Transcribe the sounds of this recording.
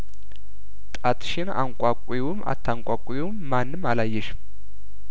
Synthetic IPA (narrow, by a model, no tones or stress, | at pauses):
t̪ʼat̪ʰʃɪna̰ŋkʷʼakʷʼiwʊma̰t̪ʰːaŋkʷʼakʷʼiwʊmːanːɨmalajːɛʃ